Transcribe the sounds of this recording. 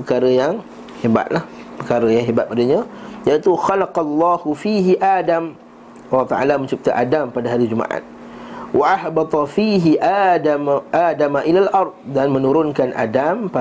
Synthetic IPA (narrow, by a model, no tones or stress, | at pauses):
pəkaɾəjaŋ | heba̰t̪̚lahpəkaɾəjaŋɦebat̪̚padaɲãjait̪uxalaqɑlːɑhufiɦiʔaːdam | alːɑht̪aʔa̰lamə̃ɲt͡ʃip̚t̪aʔadampadaɦaɾid͡ʒumã̰ʔa̰t̪̚ | wʔaʔahbɑt̪ˤɑfiɦiʔaaʔadamaʔilalʔɑrˤd̪̚danmə̃nuɾʊnkanʔa̰dampa